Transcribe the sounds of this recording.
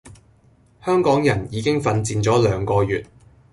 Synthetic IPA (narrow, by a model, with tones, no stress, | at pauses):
hœː˥ŋkɔː˨˥ŋjɐ˨˩njiː˨˧kɪ˥ŋfɐ˧nt͡siː˧nt͡ʃɔː˨˥lœː˨˧ŋkɔː˧jyː˨t̚